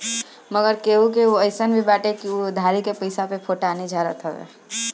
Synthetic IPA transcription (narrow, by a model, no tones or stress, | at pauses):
məɡəɾkeɦuk̬eoəɪsənbʱibaːʈekiod̪ʱaɾikepəɪsapepʰoʈaned͡ʒʱaɾə̰t̪ɦəʋḛ